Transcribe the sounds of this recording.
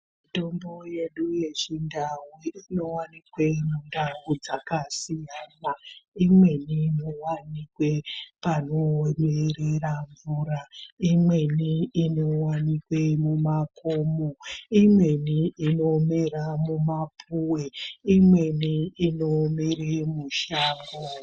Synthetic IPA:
mito̞mbo̞je̞ɗuje̞ʐindawuino̞wanikwe̞mundawud͡zakasijanaimwe̞ninowanikwe̞panomereraɱvuɾaimwe̞niːnowanikwemumakomoimwe̞niino̞meramumapʰuweimwe̞niinomeremuʃaːŋɡo

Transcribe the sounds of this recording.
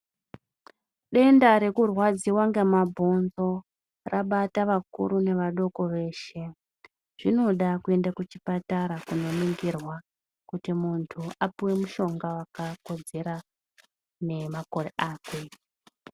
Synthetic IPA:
ɗe̞ndaɾe̞kurwad͡ziwaŋɡemabʱo̞nzo̞ | raɓataʋakṵɾune̞ʋaɗo̞ko̞ʋe̞ːʃe̞ | ʐ̥ino̞ɗakue̞ndakut͡ʃipataɾakuno̞niŋɡirwa | kutimuntʰuapiwe̞muʃo̞ŋɡawakako̞d͡ze̞ɾa | ne̞mako̞reʔaːkwe

